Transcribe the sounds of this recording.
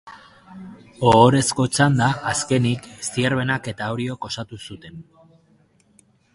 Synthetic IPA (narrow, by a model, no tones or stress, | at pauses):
o̞ːɾe̞sko̞t͡ʃand̪aːske̞niksieɾβe̞nake̞t̪aoɾio̞ko̞sat̪usut̪e̞n